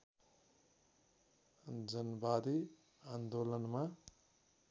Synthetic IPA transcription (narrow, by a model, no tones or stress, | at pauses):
d͡zʌnbad̪i | and̪olʌnma